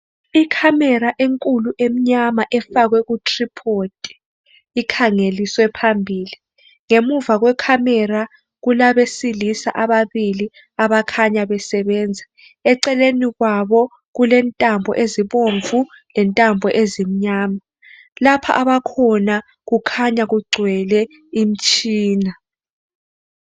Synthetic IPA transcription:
ikʰamɛɾaʔeŋkʼuluʔem̩ɲamaʔɛfaɣwɛɣutʰripʰotʼɛ̥ | ikʰaŋeliswɛpʰambʱiːli | ŋemuvaɣwɛkʰamɛra | ɣulaβesilisa̰ʔaβaβili | aβakʰaɲaβɛsɛβɛːnd͡zʱa | ɛǀɛleniɣwaβɔ | ɣulɛntʼambʱɔ̰ʔeziβoɱvu | lɛntʼambʱɔʔezim̩ɲaːma | lapʰa̰ʔaβakʰɔna | ɣukʰaɲaɣuɡ͡ǀʱwɛlɛ | im̩t͡ʃʼiːna

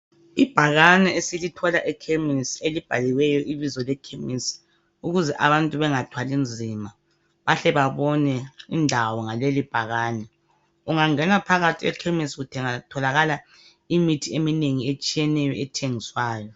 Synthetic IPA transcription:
ib̥ʱaɣanɛesilitʰɔlaʔɛkʰemiselib̥ʱaliwɛjɔʔiβizɔlɛkʰemis | uɣuzɛʔaβantʼuβɛŋatʰwalind͡zʱima | βaɬɛβaβɔnɛindʱawɔŋalelib̥ʱaɣaːnɛ | uŋaŋɛnapʰaɣatʰiɛ̰kʰemisɣutʰɛŋatʰɔlaɣala | imitʰiemineŋiet͡ʃʼijɛnɛjɔɛtʰeŋiswaːjɔ

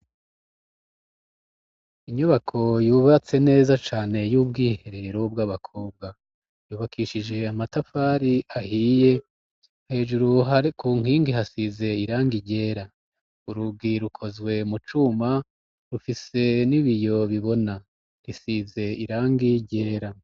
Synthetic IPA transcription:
iɲuβakʰo̞juːβat͡se̞ne̞ːzat͡ʃaːne̞juːbɡiːhe̞ɾe̞eɾob̚ɡaːβakʰo̞ːb̚ɡa | juːβakʰiːʃid͡ʒe̞amatafaːɾiahije̞ | he̞ːʒuɾuɦakuːŋ̥hiːŋɡiɦasize̞iɾaːŋɡiɟe̞ːɾa | uɾuɡiɾukʰo̞zɡwe̞mut͡ʃuma | ɾufise̞niβijo̞βiβo̞na | ɾisize̞iɾaːŋɡiɟe̞ːɾa

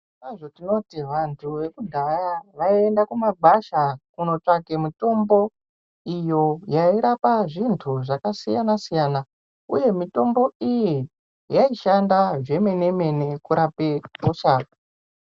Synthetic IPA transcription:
aʐotino̞tiʋantʰuʋe̞kudʱajaʋaie̞ndakumabʱaʃakuno̞t͡ʂakemito̞mbo̞ | ijo̞jaiɾapaʐintʰuʐakasijanasijaːna | ṵje̞mito̞mbo̞iji | jaiʃandaʐe̞me̞ne̞me̞ne̞kuɾapekuʂaːk

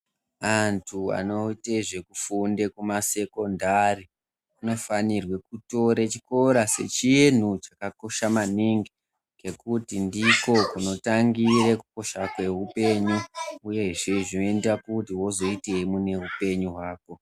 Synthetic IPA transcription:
antʰua̰no̞iteʐe̞kufunde̞kumase̞ko̞ndari | uno̞fanirwe̞kuto̞ɾet͡ʃi̥ko̞ɾase̞̰t͡ʃien̤ut͡ʃakako̞ʃamaniŋɡi | ke̞kutindiko̞kuno̞taŋɡirekuko̞ʃakwe̞ɦupe̞ɲuuje̞ʐe̞ʐino̞e̞ndakutiwo̞zo̞ite̞imune̞ɦupe̞ɲuɦwaːko̞

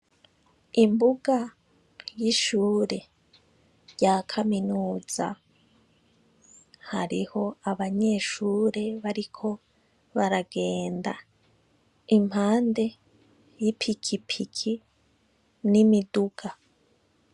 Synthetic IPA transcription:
imbuɡa | jiʃuːɾe̞ | ɟaːkʰaminuːz̥a̰ | haɾiho̞aβaɲe̞ʃuːɾe̞βaɾikʰo̞ | βaɾaɡe̞ːnda | im̥haːnde̞ | jipʰikʰipʰikʰi | nimiduɡ̥a

